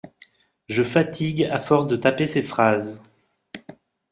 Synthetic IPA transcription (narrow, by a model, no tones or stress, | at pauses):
ʒəfat̪ʰiɡafɔʁsd̪ət̪apesɛfχaz